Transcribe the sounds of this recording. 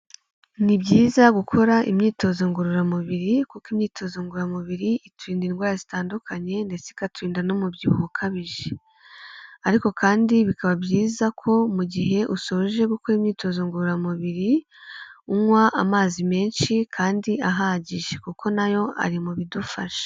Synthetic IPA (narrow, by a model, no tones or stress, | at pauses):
nibɟiːzaɡukʰo̞ɾaʔimɲiːto̞ːzoŋɡuɾuɾamuβiɾikukimɲiːtʰo̞zoŋɡuɾamuβiɾiitʰwiːndinɡwaːɾazitaːndukʰaɲe̞nde̞t͡seikatwiːndanomubɟiβuukʰaβiʒe̥ | aɾiko̞kaːndiβikaβabɟiːzakʰo̞muɟiɦe̞ʔuso̞ʒe̞ɡuko̞ɾimɲiːtʰo̞ːzoŋɡuɾuɾamuβiɾi | umwaʔamaːzime̞ːnʃikʰaːndiaɦaɟiʒekukʰo̞najo̞a̰ɾimuβidufaʃe̥